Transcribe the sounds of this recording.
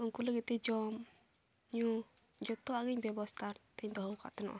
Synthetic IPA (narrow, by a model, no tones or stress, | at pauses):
uŋkuləɡɛt̪ɛd͡ʒɔm | ɲu | d͡ʒɔt̪ɔaɡiɲbɛbɔst̪ʰat̪ɛɲd̪ɔɦɔwka̰ʔt̪ɛnɔ̰ʔɔ